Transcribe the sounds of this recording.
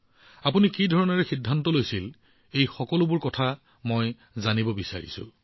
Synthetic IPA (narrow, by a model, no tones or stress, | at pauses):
apunikidʱɔɹɔnɔɹɛxidʱːantɔlojsil | ejxɔkɔlʊbʊɹkɔtʰa | moj | zanibɔbisa̰ɹḭsʊ̰̃